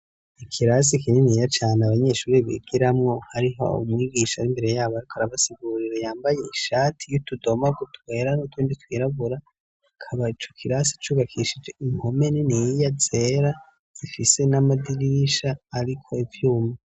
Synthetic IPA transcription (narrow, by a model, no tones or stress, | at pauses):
ikʰiɾasikiɲenijat͡ʃaːnaβaɲe̞ʃuːɾiβḭɡ̥iɾamŋo̞haɾiɦo̞̰ṵmŋiːɡiːʃaɾimbe̞ɾe̞jaːβoaɾikʰoaɾaβasiɡuːɾiɾejaːmbaje̞iʃaːtʰijutudo̞maɡutwe̞ːɾanutwuːnditwiːɾaβuɾa | kʰaβait͡ʃokʰiɾasi̥t͡ʃuːβakʰiʃid͡ʒe̞iŋho̞me̞ninijijazeɾḁ | ifise̞namadiɾiiʃaːɾikʰo̞ivjuːma